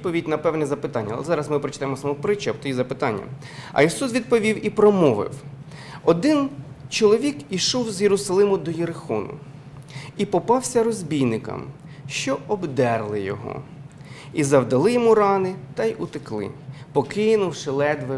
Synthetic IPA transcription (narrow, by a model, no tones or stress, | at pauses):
pɔʋʲidʲnɐpɛwnɛzɐpɪt̪ɑnʲːɐlˠɛzɑɾɐzmɪpɾɔt͡ʃɪ̥t̪ɑajɪmɔsɐmɔpɾɪt͡ʃɐpt̪ɔjizɐpɪt̪ɑnʲːɐ̰ | ɐ̰isus̬ʋʲid̪̚pɔʋʲiwipɾɔmɔʋɪ̰wɔd̪ɪnt͡ʃɔlˠɔʋʲikiʃɔwzjeɾʊsɐlˠɪmʊd̪ɔjeɾɪxɔnʊ̰ | ipɔpɑwsʲɐɾɔzʲbʲijnɪkɐ̰m | ʃt͡ʃɔɔbd̪ɛrlˠɪjɔ̰ɦɔ̰ | izɐwd̪ɐlˠɪjɔmuɾɑnɪt̪ɐjʊt̪ɪklˠɪ̰pɔkɪnʊwʃɪlˠɛd̪ʋɪ